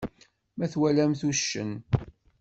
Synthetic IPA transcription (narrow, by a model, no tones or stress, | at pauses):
mæθwælæmθuʃːə̰n